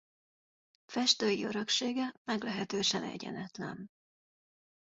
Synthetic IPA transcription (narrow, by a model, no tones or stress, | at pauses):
fɛʃt̪øːjiøɾø̞kʃeːɡɛmɛɡlɛɦɛt̪øːʃɛnɛ̰ɟɛ̰nɛt̪lɛ̰n